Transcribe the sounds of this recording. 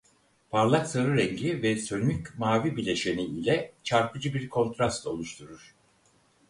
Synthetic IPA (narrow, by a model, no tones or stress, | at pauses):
pʰaɾlˠaksaɾɯɾɛŋɟivɛsønycʲmaːvibilʲe̞ʃe̞niilʲɛt͡ʃʰaɾpʰɯd͡ʒɯbiɾkʰo̞nt̪ʰɾast̪ʰo̞lˠuʃt̪ʰuɾuɾ̥